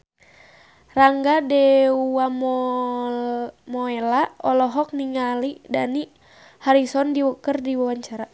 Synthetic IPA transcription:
raŋɡadɛuam | mɔɛlaɔlɔɦɔk̚niŋalidani | haɾisɔndiwukərdiwawaɲt͡ʃaɾa

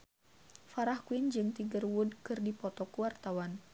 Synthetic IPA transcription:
faɾahkuind͡ʒɨŋt̪iɡərwudkɨrdipɔt̪ɔkuwart̪awan

